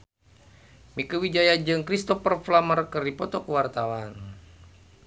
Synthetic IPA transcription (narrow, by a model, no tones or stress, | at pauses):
mikəwid͡ʒajad͡ʒɨŋkɾist̪ɔfərflamərkərdipɔt̪ɔkəwart̪awan